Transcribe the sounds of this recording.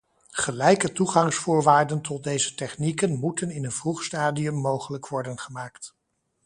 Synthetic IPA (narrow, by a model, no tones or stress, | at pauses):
χəlɛjkətuχɑŋsfʊːɹʋaːɹdəntɔt̚dejzətɛχnikənmutənɪnənvruχstaːdiɵmːowχələkʋɔɹdənχəmaːkt